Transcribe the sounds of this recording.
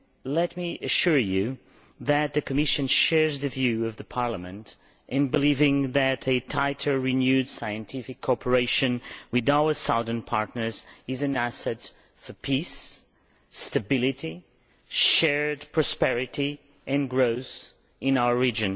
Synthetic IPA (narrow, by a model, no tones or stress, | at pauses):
lɛt̚miʔɨʃʊɹjʉ | ðɨt̪̚ðɨkʰɨmɪʃɨ̃nʃɛɹzðɨvjʉʌvðɨpʰɑɹləmɨ̰̃nt | ʔɨ̃nbɨlivɪ̃ŋðɨɾɨtʰaɪɾʰə˞ɹinjʉd̥saɪɨ̃ntʰɪfɨkʰːɔpʰə˞eɪʃɨ̃nwɨðaʊə˞saʊðə̃˞npʰɑɹtⁿnə˞zɨzɨ̃næsɛt | fə˞pʰisː | tɨbɪlˠɨɾi | ʃɛɹdpʰɹ̥ɑspɛɹɨɾi | ʔɨ̃nɡɹoʊs | ɨ̃naʊə˞ɹid͡ʒɨ̃n